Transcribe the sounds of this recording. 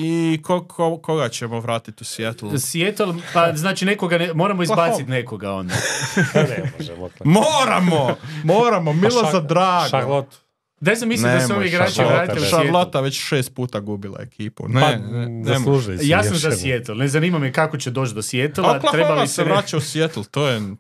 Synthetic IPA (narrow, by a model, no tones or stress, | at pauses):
ikokʰokoɡat͡ɕemoʋɾaːt̪it̪usʋjet̪lsʋjet̪olpaznaːt͡ʃinekoɡanemo̞ːɾamoizbaːsit̪neko̞ɡao̞̰nd̪a̰ | moːɾa̰momoːɾamomilˠozad̪ɾaːɡalot̪ | nezamislnied̪aseoʋjeɡɾaːt͡ʃiʋɾaːt̪iʃalˠot̪aʋet͡ɕʃeːst̪̚puːt̪aɡubilˠa̰ḛkʰiːpṵnennːmluʒjaːssamzasjet̪elˠne̞zaniːmamjekakot͡ɕed̪o̞ːt͡ʃt̪d̪o̞sʋjet̪lt̪ɾebalaiseʋɾaːt͡ʃausjet̪l̩t̪oːje